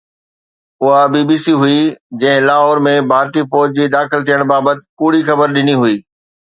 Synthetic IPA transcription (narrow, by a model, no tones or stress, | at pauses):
ʊɦabibiːsiɦʊid͡ʑɐ̃ɦɪ̃laːɦɔːɾmẽbʱaːɾt̪ifɔːd͡ʑd͡ʑiːd̪aːxɪlt̪ʰijəɽ̃baːbət̪ɪ̥̆kuːɽixɐbəɾɗɪniɦuiː